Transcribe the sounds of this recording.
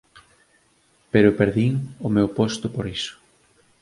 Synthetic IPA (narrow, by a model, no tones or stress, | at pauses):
peɾʊpeɾðiŋʊmewpost̪ʊpoɾisʊ̥